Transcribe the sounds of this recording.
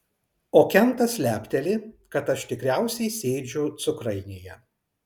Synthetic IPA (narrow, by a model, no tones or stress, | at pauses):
oːkʲɛnˑt̪ɐsʲlʲæːpʲt̪ʲɛlʲɪkɐt̪ɐʃt̪ʲɪkɾʲæˑʊsʲɛɪsʲeːd͡ʒʲʊt̪sʊkɾɐɪnʲeːjɛ